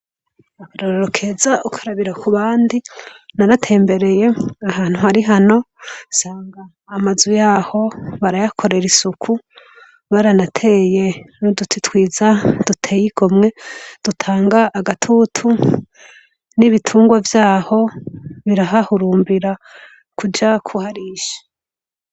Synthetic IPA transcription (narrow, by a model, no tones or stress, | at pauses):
akaɾoɾoɾokʰe̞zaʔukʰaɾaβiɾakʰuβaːndinaɾatʰe̞ːmbe̞ɾe̞je̞ahaːn̥huhaɾiɦano̞ | saːŋɡaː | mazujaho̞βaɾajakʰo̞ɾe̞ɾisukʰu | βaɾanatʰe̞ːje̞nodutʰitwiːzad̥utʰe̞jiɡ̥o̞mŋe̞d̥utʰaːŋɡaʔːɡatʰutʰu | niβitʰuːŋɡwavjaːho̞βiɾaɦahuɾuːmbiɾa | kud͡ʒakʰuhaɾiʃḁ